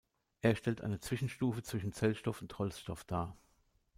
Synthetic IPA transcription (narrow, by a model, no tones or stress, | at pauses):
ʔeːɐʃtɛltʔa̰ɪnət͡sv̥ɪʃn̩ʃtuːfət͡sv̥ɪʃn̩t͡sɛlʃtɔfʊnthɔlsʃtɔfd̥aː